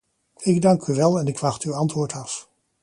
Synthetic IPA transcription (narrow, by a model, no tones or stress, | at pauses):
ɪɡdɑŋkyʋɛlˠɛnɪkʋɑχtywɑntʋʊːɹtɑf